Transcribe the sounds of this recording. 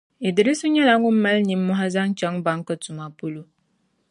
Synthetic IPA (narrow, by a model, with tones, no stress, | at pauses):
i˨dɪ˨ɾɪ˦sʊ˦ɲɛ˦la˦ŋʊ˦m̩ː˦a˦lni˨˦mː˦ʊ˦ɦa˦za˦ŋt͡ʃɛ˦ŋba˨˦ŋ˦ka˦tʊ˨ma˨po˦lo˦